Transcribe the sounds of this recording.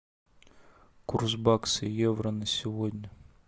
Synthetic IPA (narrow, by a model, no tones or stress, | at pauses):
kurzbɑksɪjɛʋɾɐnɐsʲʊɦɔdʲnʲɐ